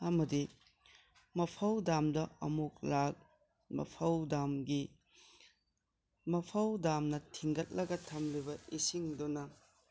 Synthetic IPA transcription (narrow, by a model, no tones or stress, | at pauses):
ɐmɐdi | mɐpʰɐwdamdɐɐmuk̚lak̚ | mɐ̰pʰɐwdamɡi | mɐpʰɐwdamnɐtʰiŋɡɐt̚lɐɡɐtʰɐmlibɐisiŋdunɐ